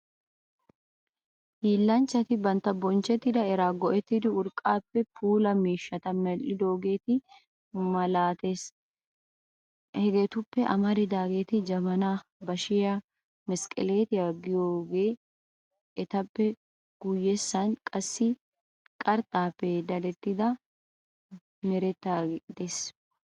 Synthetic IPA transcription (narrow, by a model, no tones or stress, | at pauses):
hiːlːant͡ʃɐt̪ɪbɐnt̪ɐbɔnt͡ʃɛt̪ːɪd̪ɐɛɾaːɡɔʔɛt̪ːɪd̪ʊʊɾkʼaːpːɛpuːlɐmiːʃːɐt̪ɐmɛlːɪd̪o̞ːɡe̞ːt̪ɪ | mɐlaːt̪eːs | hɛɡɛt̪ʊpːɛʔɐ̰mɐɾɪd̪aːɡeːt̪ɪd͡ʒɐmɐnaːbɐʃɪjɐ | mɛskʼɪ̰le̞ːt̪ɪjaːɡɪjoːɡe̞ː | ʔɛt̪ɐpːɛ | ɡ̥ujːesːɐnkʼɐsːɪ | kʼɐɾt̪ʼaːpːɛd̪ɐlɛt̪ːɪd̪ɐ | mɛɾɛt̪ːad̪eːs